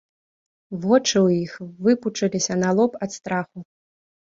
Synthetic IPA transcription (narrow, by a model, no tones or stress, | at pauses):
vɔt͡ʂɨwjixvɨput͡ʂɐlʲisʲɐnalˠɔpɐt̪st̪ɾaxu